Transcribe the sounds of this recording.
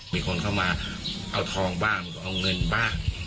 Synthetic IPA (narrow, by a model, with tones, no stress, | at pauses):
iː˧kʰo˧nkʰa˥˩wmaː˧ | ʔa˧wt̪ʰɔː˧ŋbaː˥˩ŋma˧kɔ˧˩ʔa˧wŋɤ˧nbaː˥˩ŋ